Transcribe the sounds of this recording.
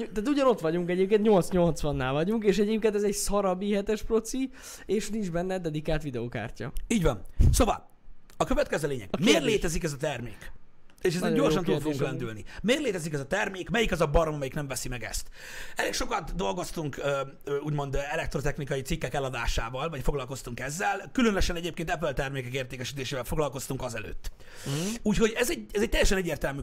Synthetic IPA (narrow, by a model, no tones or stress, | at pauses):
t̪aːt̪uɟɒno̞t̪ʋɒɟuŋkɛɟeːp̚keːnt̪ɲo̞lt̪sɲo̞lt̪sʋɒnːaːlvɒɟuŋkeːʃɛɟeːp̚keːnt̪̬ɛzɛɟsɒɾɒbiɦɛt̪ɛʃpro̞t̪si | eːʃnind͡ʒbɛnːɛd̪ɛd̪ikaːlt̪ʋid̪ɛoːka̰ːrcɒ̰iːɟvɒnsoːvɒ̰l | ɒkøvɛt̪̚kɛzøːleːɲɛ̰ɡmeːrleːt̪ɛzikɛzɒt̪ɛrmeːkeːʃɛzeɟo̞rʃʃɒnud̪foɡuŋklɛnd̪ylnimeːrleːt̪ɛzikɛzɒt̪ɛrmeːkmɛjikɛzɒbɒɾomɒmɛjiknɛɱvɛsimɛɡɛ̰st̪ | ɛleːkʃo̞kɒt̪d̪o̞lɡo̞st̪uŋkø | uːɟmo̞nd̪ɛlɛk̚t̪ɾo̞t̪ɛxnikɒjit̪sikːɛkɛlɒd̪aːʃaːvɒlvɒcfo̞ɡlɒlko̞st̪uŋkɛzːɛlkylønøʃɛnɛɟeːpkeːnt̪ɛp̬ølt̪ɛrmeːkɛkeːrt̪eːkɛʃit̪eːʃeːvɛlfo̞ɡlɒlko̞st̪uŋkɒzɛlø̰ːt̪ː | uːcho̞ɟɛzɛɟɛzɛc̚t̪ɛjɛʃɛnɛɟːeːrt̪ɛlmy